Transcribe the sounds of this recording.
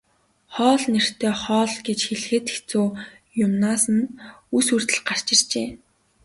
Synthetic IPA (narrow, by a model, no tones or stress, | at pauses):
χɔːɮner̥t̪ʰeːχɔːɮɡet͡ɕxeɮxɘ̆t̪e̥xt͡soː | jʊmnaːsə̆nusur̥t̪ɘ̆ɮɢar̥t͡ɕɪ̆r̥t͡ɕeː